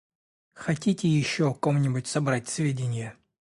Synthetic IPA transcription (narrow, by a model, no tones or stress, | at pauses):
xɐtʲitʲɪjɪɕːoko̞mnʲɪbʊtʲsɐbɾatʲsvʲedʲɪnʲɪjə